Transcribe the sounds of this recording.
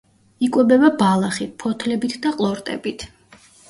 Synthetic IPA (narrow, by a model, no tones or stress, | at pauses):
ikʼwɛbɛbabalˠaχit̪̚pʰɔt̪ʰlɛbit̪ʰd̪aqʼlˠɔɾt̪ʼɛ̰bit̪ʰ